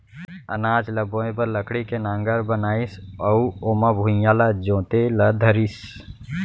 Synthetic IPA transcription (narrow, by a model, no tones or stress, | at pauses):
ə̰naːd͡ʒlɐbõːẽbəɾləkʰɽikenaːŋɡəɾbənaːisəuomabʱujalad͡ʒõːt̪elɐd̪ʱəɾis